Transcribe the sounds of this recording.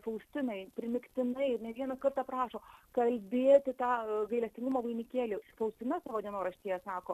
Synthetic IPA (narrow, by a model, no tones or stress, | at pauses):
fɐʊsʲt̪ʲɪnɐɪpʲɾʲɪmʲɪkt̪ʲɪnɐɪɪrnʲɛʋʲiɛnɐkɐrt̪ɑːpɾɑːʃoːkɐlʲbʲeːt̪ʲɪt̪ɑːɡɐɪlʲɛsʲt̪ʲɪŋɡʊmoːʋɐɪnʲɪkʲeːlʲʊfɐʊsʲt̪ʲɪnɐsɑːʋoːd̪ʲiɛnoːɾɐʃʲt̪ʲiːjɛsɑːkoː